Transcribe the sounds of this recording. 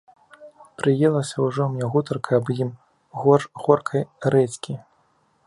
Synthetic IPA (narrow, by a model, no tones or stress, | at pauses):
pɾɨjɛlˠɐsʲɐwʐɔmnʲɛɣut̪ɐrkʰɐɐbjim | ɣɔɣɔrkʰɐjɾɛt͡sʲkʲi